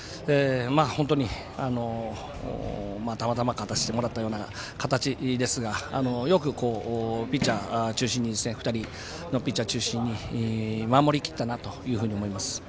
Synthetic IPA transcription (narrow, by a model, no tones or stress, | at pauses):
emaːhont̪̬o̞ɲ̟i | ano̞̰ | mat̪amat̪amakat̪aɕi̥t̪e̞mo̞ɾat̪ːajo̞ːna | kat̪at͡ɕid̪e̞sɨɡaa̰no̞jo̞kɯ̟ko̞ːpʲit͡ɕat͡ɕɨːɕĩɲ̟ːid̪e̞sneɸɯ̟̥t̪aɾʲi | no̞pʲit͡ɕat͡ɕɨːɕĩɲ̟ːi | mamo̞ɾʲikʲi̥t̪ːanat̪o̞jɯ̟ːɸɯ̟ːɲ̟iomo̞imasɨ̥